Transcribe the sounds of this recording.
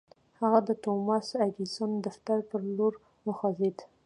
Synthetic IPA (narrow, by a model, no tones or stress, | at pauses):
haɣad̪ət̪omɑsaɡisond̪aft̪aɾpəɾloɾ | mʊxɑzed̪